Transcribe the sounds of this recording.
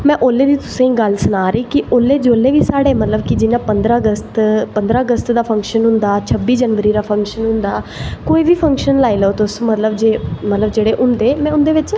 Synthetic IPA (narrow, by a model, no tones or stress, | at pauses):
mɛ̃ːʔoːleːd̪iːt̪ʊsẽːĩːɡəlsʊnaːɾiːkɪoːlːeːd͡ʒoːlːeːʋiːsaːɽeːmət̪ləbkɪd͡ʒɪnãːpənd̪ɾaːɡəst̪pənd̪ɾaːəɡəst̪d̪aːpʰə̃ŋkʃənɦʊ̃nd̪aːt͡ʃʰəbːiːd͡ʒənʋəɾiːɾaːpʰə̃ŋkʃənɦʊ̃nd̪aːkoːiːʋiːpʰə̃ŋkʃənlaːiːləoːt̪ʊsmət̪ləbd͡ʒeːmət̪ləbd͡ʒeːɽeːʔʊ̃nd̪eːmɛ̃ːʊnd̪eːʋɪt͡ʃ